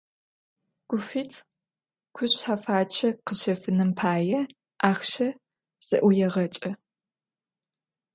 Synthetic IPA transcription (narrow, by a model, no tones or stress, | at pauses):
ɡ̥ʷʊfiːtʰ | kʷʰʊɕħafaːt͡ʃʰɐqəɕɐfɨnɨmpʰaːjɛ | ʔaːxʃɐ | z̥ɐ̰ʔʷʊjɛʁɐt͡ʃʼɐ